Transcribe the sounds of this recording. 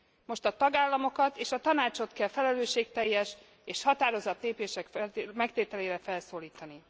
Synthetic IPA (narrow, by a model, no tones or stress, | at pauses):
mo̞ʃt̪ɒt̪ɒɡaːlːɒmo̞kɒt̪eːʃɒt̪ɒnaːt͡ʃo̞t̪kɛlfɛlɛløːʃːeːk̚t̪ɛjːɛʃ | eːʃhɒt̪aːɾo̞zɒt̪leːpeːʃɛkfɛmɛkt̪eːt̪ɛleːɾɛfɛlsoːliːt̪ɒni